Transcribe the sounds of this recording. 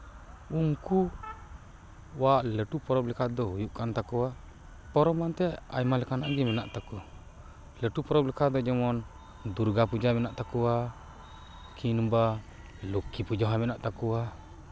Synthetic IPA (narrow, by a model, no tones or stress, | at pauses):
uŋku | waʔləʈupɔɾɔblɛkat̪̚d̪ɔhujuʔkant̪akua | pɔɾɔmant̪ɛa̰jmalɛkanaʔd͡ʒɛmɛna̰ʔt̪aku | ləʈupɔɾɔblɛkad̪ɔd͡ʒɔmɔn | d̪uɾɡapud͡ʒamɛnaʔt̪akua | kʰinuba | lukːipud͡ʒɔɦamɛnaʔt̪akua